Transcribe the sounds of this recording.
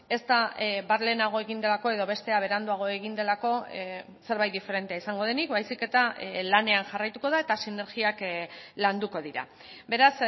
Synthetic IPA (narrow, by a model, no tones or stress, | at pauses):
e̞st̪abaɾle̞naɣ̞o̞e̞ɣind̪e̞lako̞e̞ð̞o̞βe̞st̪e̞aβ̞e̞ɾand̪uaɣ̞o̞e̞ɣind̪e̞lako̞ | se̞ɾβajt̪̚d̪ife̞ɾe̞nt̪eaisaŋɡo̞ðe̞nikbajsike̞t̪alane̞anʝarajt̪uko̞ð̞ae̞t̪asine̞ɾɣiakland̪uko̞ð̞iɾa̰ | be̞ɾas